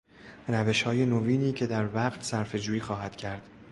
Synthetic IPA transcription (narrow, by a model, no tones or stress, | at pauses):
ræve̞ʃhɒːje̞noviːniːcʰe̞d̪æɾvæɢt̪ʰsæɾfe̞d͡ʒuːjiːxɒːɦæd̪̥cʰæɾd̪̥